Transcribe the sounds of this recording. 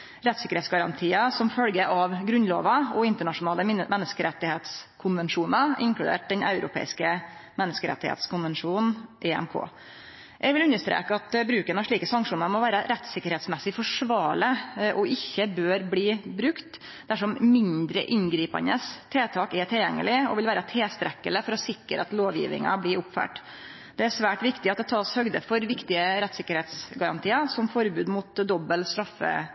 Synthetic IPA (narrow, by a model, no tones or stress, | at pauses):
ɾɛt̪sɪkəɾhɛːt̪sɡɑɾɑnt̪ʰiːəsɔmfœlɡəʔɑʋɡɾʉnlo̰ːʋɑɔɪnt̪əɳɑʂʊnɑːləmʔɛnːəskəɾɛt̪ːɪheːt̪skʰʊnʋɛnʂuːnɑɪ̰ŋkɽʉd̪ḛːʈ̚d̪ɛnɑ̰ʉɾʊ̰pʰḛːɪskəmɛnːəskəɾɛ̰t̪ːɪhḛːt̪skʰʊnʋɛnʂuːnn̩ʔɛːɛ̰mkʰo̰ː | ʔɛɡʋɪlʉnːəʂt̪ɾḛːkəɑt̪bɾʉːkənɑʂɭiːkəsɑŋkʂuːnɑɾmɔʋæːɾəɾɛt̪sɪkːəɾhɛːt̪smɛsːɪfɔʂʋɑːɭəʔɔʔɪçːəbøːɾbliːbɾʉkt̪ | d̪æʂɔmmɪnd̪ɾə̰ʔɪnɡɾiːpɑ̰nəst̪ʰeːt̪ʰɑːkɛʈʰɪljɛŋːəlɪɔ̰ʋɪlʋæːɾət̪ʰeːst̪ɾɛkːələfɔɾɔsɪkːəɾɑt̪loːʋjḭːʋɪ̰ŋɑ̰blɪɾʊpfæ̰ːʈ | d̪̥ɛæʂʋæːʈʋɪkt̪ɪɑt̪̚d̪ɛt̪ʰɑːshœɡd̪əfɔɾʋɪkt̪ɪəɾɛt̪sɪkːəɾhɛːt̪sɡɑɾɑ̰nt̪ʰiːəsɔmfɔɾbʉːd̪mut̪d̪ɔbːəlst̪ɾɑfːə̰